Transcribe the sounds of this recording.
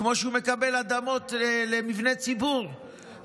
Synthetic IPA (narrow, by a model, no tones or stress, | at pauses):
mo̞ʃeumekabelad̪amo̞t̪lemivnet͡sibuʁ